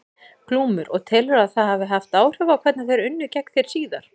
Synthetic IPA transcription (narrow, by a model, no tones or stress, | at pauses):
kʰluːmʏɾʔɔ̰ɣt̪ʰɪlvɛɾaðθaðhavʏɦaft̪aːwr̥ʏvakʰvɛt̪nɪθejɾʏnːʏcɛknθjejɾ̥siːðaɾ̥